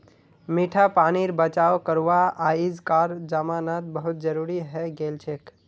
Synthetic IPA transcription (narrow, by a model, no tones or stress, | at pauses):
miʈʰapaniɾbət͡ʃawkəɾʋaaid͡ʒkaɾd͡ʒamanat̪̚bəɦʊt̪̚d͡ʒəɾuɾiɦɛɡelt͡ʃʰek